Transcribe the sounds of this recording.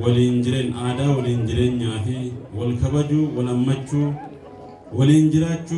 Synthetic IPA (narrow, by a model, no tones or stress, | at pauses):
wɐliːnd͡ʒɪɾeːnaːd̪aːwɐliːnd͡ʒɪɾeːɲːaːfɪwɐlkɐbɐd͡ʒuːwɐlɐmːɐt͡ʃːuː | wɐliːnd͡ʒɪɾaːt͡ʃːuː